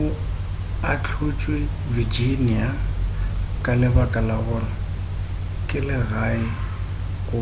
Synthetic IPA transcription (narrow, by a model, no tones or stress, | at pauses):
ʊ | at͡ɬʰʊt͡ʃʼwɪ | vid͡ʒinia | kʼalɪbakʼalaɣʊlɔ | kʼɪlɪɣaɪ | ɣʊ